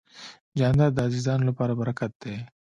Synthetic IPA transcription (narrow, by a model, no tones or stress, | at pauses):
d͡ʒɑːnd̪ad̪ɑːzizɑːnlapɑːɾabɐɾakat̪̚d̪e